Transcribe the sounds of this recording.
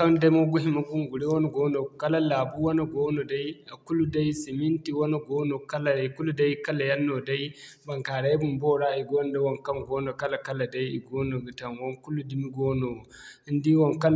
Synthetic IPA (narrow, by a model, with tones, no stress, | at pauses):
ka˦nda˦mo˦ɡu˦ɦi˦ma˦ɡu˦ŋɡu˨ɽi˦wɔ˦nu˨ɡoː˦no˨kɐ˦la˦la˨bu˦wɔ˦no˨ɡɔ˦no˨da˦ja˨ku˦lu˦da˦jsi˨mi˦nti˨wɔ˦no˦ɡɔ˦no˨ka˦la˨da˨ku˦lu˦da˦jkɐ˦la˨ja˦nːo˨da˦j | ba˨ŋka˨ɾa˦jbu˦mbɔ˦ɽa˦i˨ɡo˦n˦da˦wɔ˦˨ŋkɐ˦ŋɡɔ˦no˨ka˦la˨kɐ˦la˨da˦ji˨ɡoː˦no˨ɡu˨tɐ˨nwɔ˦nku˦lu˦di˨mi˦ɡo˦no˨˦ | ndi˦wɔ˨ŋka˦